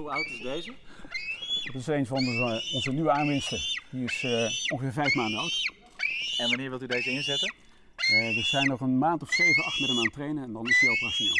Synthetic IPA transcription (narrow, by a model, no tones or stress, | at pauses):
ɦuʌwtɪzdejzə | tɪsejnvɑnɔnzənyʋəaːnʋɪnstədiɪsɔŋχəvɪːɹvɛjfmaːndənowt | ɛnʋɑnɪːɹʋɪlˠtydejzəɪnzɛtən | ʋəz̥ɛjnɔχənmaːntɔfsejvənɑχtmɛtəmaːntrejnəɛndɑnɪsiɑlˠtraʃonḛːlˠ